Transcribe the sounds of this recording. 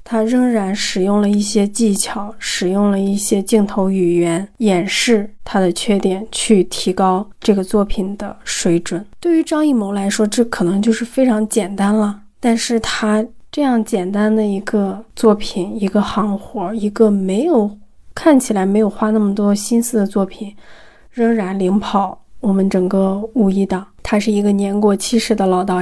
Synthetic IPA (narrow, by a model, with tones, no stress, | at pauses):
t̪ʰa˥ɻə˥˧ŋɻa˧˥nʂɻ̩˨˩jʊ˥˩ŋlə˩i˥˩ɕjɛ˥t͡ɕi˥˩t͡ɕʰjɑ˨˧˩ʊʂɻ̩˨˩jʊ˥˩ŋlə˩i˥˩ɕjɛ˥t͡ɕi˥˩ŋt̪ʰo˧˥ʊy˨˩ɥɛ˧˥njɛ˨˩nʂɻ̩˥˩t̪ʰa˥d̪ə˨t͡ɕʰɥɛ˥˧t̪jɛ˨˩nt͡ɕʰy˥˩t̪ʰi˧˥kɑ˥ʊʈ͡ʂɤ˥˩ɡə˩t͡swɔ˥˩pʰi˨˩nd̪ə̰˦ʂwe˧˥ɪʈ͡ʂwə˨˩˦nt̪we˥˩ɪy˧˥ʈ͡ʂɑ˥ŋi˥˩mo˧˥ʊla˧˥ɪʂwɔ˥ʈ͡ʂɤ˥˩kʰɤ˨˩nɤ˧˥ŋt͡ɕjo˥˧ʊʂɻ̩˥˩fe˥ɪʈ͡ʂʰɑ˧˥ŋt͡ɕjɛ˨˩nt̪a˥nlə˨ | t̪a˥˧nʂɻ̩˥˩t̪ʰa˥ʈ͡ʂɤ˥˧jɑ˥˩ŋt͡ɕjɛ˨˩nt̪a˥nd̪ə˨i˧˥ɡə˧t͡swɔ˥˩pʰi˨˩ni˧˥ɡə˧xɑ˧˥ŋxwɔ˧˥i˧˥ɡə˥˧me˧˥ɪjo˨˩ʊ | kʰa˥˩nt͡ɕʰi˨˩la˧˥ɪme˧˥ɪjo˨˩ʊxwa˥na˥˩mə˩t̪wɔ˥˧ɕi˥nsɹ̩˥˩d̪ə˩t͡swɔ˥˩pʰi˨˩˦n | ɻɤ˧˥ŋɻa˧˥nli˧˥ŋpʰɑ˨˩˦ʊwɔ˨˩mə˦nʈ͡ʂɤ˨˩ŋkə˥˧u˥˩i˥˩t̪ə˨˩˦t̪ʰa˥ʂɻ̩˥˩i˧˥ɡə˧njɛ˧˥nkwɔ˧˩t͡ɕʰi˥ʂɻ̩˧˥d̪ə˧lɑ˨˩ʊt̪ɑ˥˩